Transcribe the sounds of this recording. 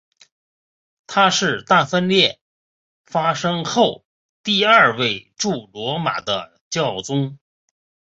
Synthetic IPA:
t̪ʰa˥ʂɻ̩˥˧t̪a˥˩fə˥nljɛ˥˩ | fa˥ʂɤ˥ŋxo˥˩ʊ | t̪i˥˧ɐ˞˥˧we˥˧ɪʈ͡ʂu˥˩lwɔ˧˥ma̰˨˩d̪ə̰˦ | t͡ɕjɑ˥˩ʊt͡sʊ˥ŋ

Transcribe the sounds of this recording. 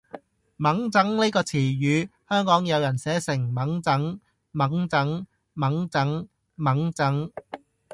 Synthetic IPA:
mɐ˨˥ŋt͡sɐ˨˥ŋle˥kɔː˧t͡sʰiː˨˩jyː˨˧hœː˥ŋkɔː˨˥ŋjɐ˨˧wjɐ˨˩nsɛː˨˥sɪ˨˩ŋmɐ˨˥ŋt͡sɐ˨˥ŋ | mɐ˨˥ŋt͡sɐ˨˥ŋ | mɐ˨˥ŋt͡sɐ˨˥ŋ | mɐ˨˥ŋt͡sɐ˨˥ŋ

